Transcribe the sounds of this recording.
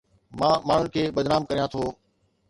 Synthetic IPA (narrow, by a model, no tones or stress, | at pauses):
mãːmaːɳ̤ʊnɪkʰeːɓəd̪naːmkəɾijãːt̪ʰoː